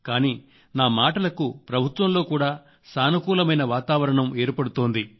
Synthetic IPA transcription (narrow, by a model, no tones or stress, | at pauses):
kaːniː | naːmaːʈɐlɐkupɾɐbʱut̪ʋɐmlo̞ːkuːɽaː | saːnukuːlɐmɐjnɐʋaːt̪aːʋɐɾɐɳɐme̞ːɾpɐɽut̪oːnd̪i